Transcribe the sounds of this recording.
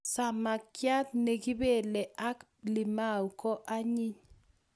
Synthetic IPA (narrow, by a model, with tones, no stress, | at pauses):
sa˨ma˨kja˦t̪̚ne˨ɡi˦be˦˨lɛ˨ʔa˦k | li˨ma˦˨u˨kɔ˦ʔa˦ɲi˦ɲ